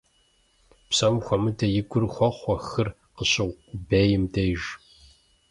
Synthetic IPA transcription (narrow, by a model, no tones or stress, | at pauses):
psɐmxʷɔmɨdɐjɪɡʷʼʊrxʷɔχʷɔxɨr | qəɕɪʁʷʊbeːjɪmdɐjʒ